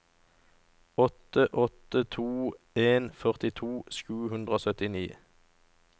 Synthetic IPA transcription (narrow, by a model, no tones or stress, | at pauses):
ɔt̪əʔɔt̪ət̪ʰuː | eːnfœʁt̪ɪt̪ʰuːʃʉːhʉnd̪ʁəoːsœt̪ɪniː